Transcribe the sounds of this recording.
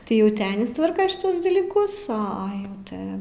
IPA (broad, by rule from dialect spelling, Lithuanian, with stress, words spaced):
tɐɪ ˈjɛʊ ˈtʲɪ ˈɑːnʲɪs ˈtʋɐrkɐ ʃʲɪˈtuɔs dɐlʲiːˈkʊs oː ˈɐ ˈjɛʊ ˈtʲɪ